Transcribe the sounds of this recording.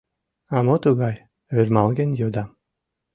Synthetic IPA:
ɑmot̪uɡɑj | øɾʲmɑlˠɡʲenjod̪ɑ

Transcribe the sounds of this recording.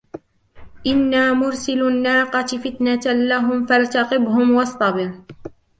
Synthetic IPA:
ʔɪnːaːmʊɾsɪlʊnːaːqɑt̪fɪt̪nalaɦʊmfalt̪ɑqɪbhʊmwɑsˤt̪ˤɑbɪɾ

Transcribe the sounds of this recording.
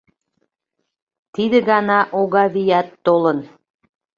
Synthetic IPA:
t̪id̪ə̆ɣɑnɑʔoɣɑβijæt̪ːolən

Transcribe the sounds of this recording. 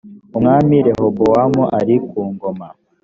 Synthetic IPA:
umŋamiɾehobowamuʔaɾikuːŋɡoma

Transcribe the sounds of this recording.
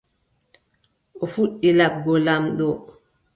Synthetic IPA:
ʔɔfuɗːilab̚ɡɔlamɗɔ

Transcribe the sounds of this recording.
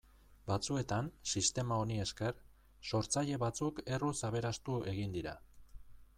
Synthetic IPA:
bat͡sue̞t̪ansist̪e̞mao̞nie̞ske̞r | so̞ɾt͡saʎe̞βat͡suke̞rusaβe̞ɾast̪ue̞ɣind̪iɾa̰

